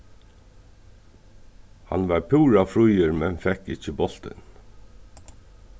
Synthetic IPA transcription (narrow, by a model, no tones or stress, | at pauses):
ha̰nʋɑɾpʰuːɾafɾujɪɾmɛnfɛkɪt͡ʃəbɔl̥t̪ɪ̰n